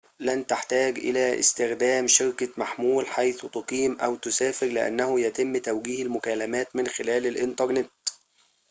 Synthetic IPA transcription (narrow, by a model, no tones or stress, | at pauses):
lænt̪aħt̪æːɡʔɪ̰læːʔɪ̰st̪ɪxd̪æːmʃɪɾkamaħmuːlħajθt̪ʊqiːmʔæwt̪ʊsæːfɪɾlɪʔa̰nːæhʊjæt̪ɪmːt̪æwɡiːhalmʊkæːlæmæːt̪mɪnxɪlæːlɪlʔɪnt̪ɑɾˤnɪt̪